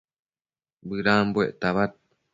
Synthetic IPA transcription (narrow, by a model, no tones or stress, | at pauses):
bɨɾaːmbueʔt̪aβat̪̚